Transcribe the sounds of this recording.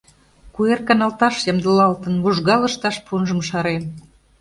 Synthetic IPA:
kuerkɑnɑlt̪ɑʃjɑmd̪əlɑlt̪ə̆nβuʒɣɑlə̆ʃt̪ɑʃpʰunʒə̆mʃɑɾen

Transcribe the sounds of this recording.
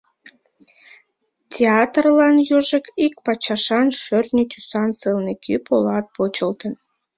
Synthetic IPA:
tʲeɑt̪rlɑnjøʒəkik̚pɑt͡ɕɑʃɑnʃørnʲət̪ʲysɑnsɨlnekʰypolɑt̪̚pot͡ɕəlt̪ən

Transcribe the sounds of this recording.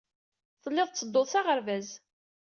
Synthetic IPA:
θəlːeðˤt͡sːəd̪ːoðˤsaʁəɾvæz

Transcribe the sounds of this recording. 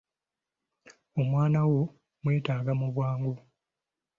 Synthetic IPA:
o̞mwaːnawo̞ | mwe̞ːtaːɡamuβwaːŋɡo

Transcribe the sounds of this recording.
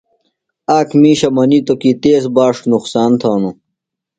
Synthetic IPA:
aːkmiːɕɐmɐnit̪okit̪eːsbaːʂʈnuqsaːnt̪ʰoːnu

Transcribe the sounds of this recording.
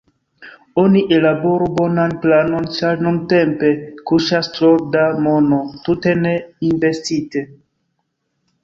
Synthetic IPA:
o̞niʔe̞labo̞ɾubo̞nanplano̞nt͡ʃaɾnunte̞mpe̞kuʃastɾoɾdamo̞notute̞ne̞investite̞

